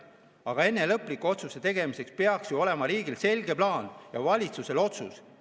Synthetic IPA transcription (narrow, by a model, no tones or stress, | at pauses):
ɑɡ̥ɑe̞nːe̞lɤpːˑlikːˑuo̞t̪suset̪e̞ɡ̥e̞mise̞kspe̞ɑksjuo̞le̞mɑɾiːɡilse̞lʲɡ̥e̞plɑːnjɑvɑlʲit̪suse̞lo̞t̪sṵs